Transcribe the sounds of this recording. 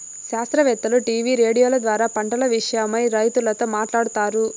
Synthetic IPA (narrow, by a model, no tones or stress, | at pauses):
ʃaːst̪ɾɐʋɛt̪ːɐluʈiːʋiːɾe̞ːɽijoːlɐd̪ʋaːɾaːpɐɳʈɐlɐʋiʂɐjɐmɐjɾɐjt̪ulɐt̪oːmaːʈlaːɽut̪aːɾu